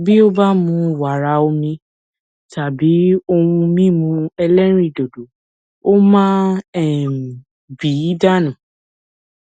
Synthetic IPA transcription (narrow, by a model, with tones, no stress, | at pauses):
bi˦o˦ba˦mũ˧wa˨ɾa˧o˧mĩ˧ | ta˨bi˨˦o˧wũ˧mĩ˦mũ˧ɛ˧lɛ˦ɾ̃ĩ˦˨do˨do˨ | o˦mãː˦ɛ˦˨ | bi˨˦da˦nũ˨